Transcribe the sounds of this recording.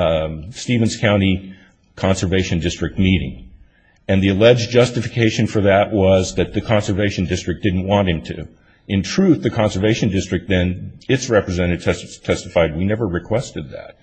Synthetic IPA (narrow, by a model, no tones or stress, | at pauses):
stivɨ̃n̩z̥kʰãʊ̃ɾ̃i | kʰɑ̃nsə˞veɪʃɨ̃ndɪstɹ̥ɨk̚t̚miɾɪ̰̃ŋ | ɨ̃nðiɨlɛd͡ʒd͡ʒʌstɨfɨkʰeɪʃɨ̃nfə˞ðɨʔwʌzðɨt̪̚ðɨkʰɑ̃nsə˞veɪʃɨ̃n̩dɪstɹ̥ɨk̚d̥ɪdⁿn̩ʔwɑ̃ntɨ̃mtʰɨʉ̰ | ɨ̃ntʰɹ̥ʉθðɨkʰɑ̃nsə˞veɪʃɨ̃ndɪstɹ̥ɨk̚t̪̚ðɨ̃nɨtsɹɛpɹɨzɛ̃ɾ̃ɨd̚tʰɛsttʰɛstəfaɪd̚winɛvə˞ɹɨkʰw̥ɛstɨd̪̚ðɨ̰t̚